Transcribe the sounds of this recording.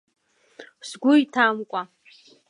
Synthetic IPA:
sɡʷʊitʰamkʷʼa

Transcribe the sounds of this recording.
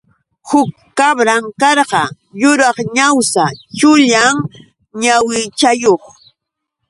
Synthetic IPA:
hʊkːabɾaŋkɑɾɢɑ | jʊɾɑχɲawsat͡ʃʊʎaŋ | ɲawɪt͡ʃajoχ

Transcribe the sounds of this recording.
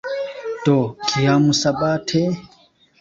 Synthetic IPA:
tɔkʰijamusaɓatʰɛ

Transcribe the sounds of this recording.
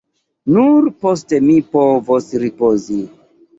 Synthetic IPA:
nuɾposte̞mipovosɾipozi

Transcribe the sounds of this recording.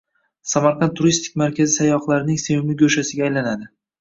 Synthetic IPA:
samaɾqʰɑnt̪ʰːʊɾist̪ʰɪk̚ʲmaɾkʲʰazɪsajɒqlˠaɾɪnɪŋsemɪmɪɡʲɵʃasɪɡʲaːjlanad̪ɪ

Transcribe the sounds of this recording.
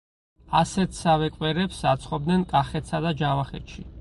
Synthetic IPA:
asɛt̪ʰsavɛkʼwɛɾɛpsat̪sʰχɔb̚d̪nɛnkʼaχɛt̪ʰsad̪ad͡ʒavaχɛ̰t̪ʃi

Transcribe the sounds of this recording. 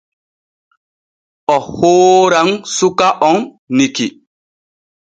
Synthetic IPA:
ɔhoːɾaŋsukaʔɔŋ | niki

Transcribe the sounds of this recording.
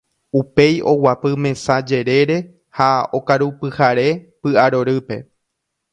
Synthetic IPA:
upe̞jʔo̞wapɨmẽ̞sad͡ʒe̞ɾe̞ɾe̞ | hao̞kaɾupɨhaɾe̞pɨaɾo̞ɾɨpe̞

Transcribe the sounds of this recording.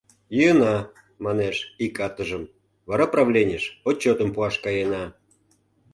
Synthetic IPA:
jəənɑ | mɑneʃikɑt̪əʒəm | vɑɾɑprɑvlʲenʲəʃot͡ɕːot̪ə̆mpuɑʃkɑjenɑ

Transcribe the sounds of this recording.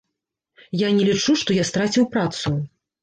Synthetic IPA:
janʲɛlʲit͡ʂuʂt̪ɔjast̪ɾat͡sʲiwpɾat̪su

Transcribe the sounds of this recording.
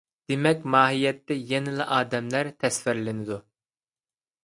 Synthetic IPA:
d̪̥emɛkʲmɑːɦijɛt̪ːɛjɛnɪlɪʔɑːd̪ɛmlæɾt̪ʰɛsvɪɾlɪnɪd̪u

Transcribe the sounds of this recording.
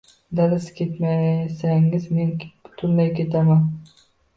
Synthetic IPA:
d̪alɪskʲʰet̪masæŋɪzmenʲbʊ̥t̪ʰʊnd̪ajkʲet̪ʰaman

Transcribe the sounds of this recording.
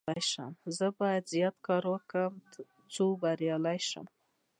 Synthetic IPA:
ajʃə̰mzəbɑjad̪zjɑt̪kɑɾwəkəm | t͡sobaɾjɑlajʃə̰m

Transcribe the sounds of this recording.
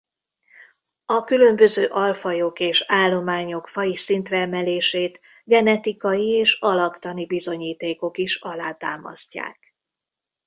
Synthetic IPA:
ɒkylømbø̞zøːʔɒlfɒjokeːʃaːlːo̞maːɲo̞kfɒjisint̪rɛːmɛleːʃeːt̪ | ɡɛnɛt̪ikɒjieːʃɒlɒkt̪ɒnibizo̞ɲiːt̪eːko̞kiʃɒlaːt̪aːmɒ̰sca̰ːk

